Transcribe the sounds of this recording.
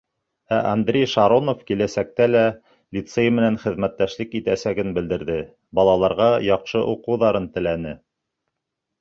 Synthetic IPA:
æʔɐnd̪ɾʲejʃɑɾonofkilæsæk̚t̪ælæ | lʲit̪sejmɘ̆nænχɘ̆ðmæt̪ːæʃlɘkit̪æsæɡɘnbɘ̆ld̪ɘ̆ɾðɘ | bɑlˠɑlˠɑɾʁɑjɑqʃɤʔuqɤ̆wðɑɾɤnt̪ɘ̆lænɘ

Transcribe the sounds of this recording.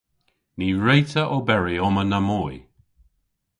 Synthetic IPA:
niːɹejtəʔobɛɹiɔmənəmɔj

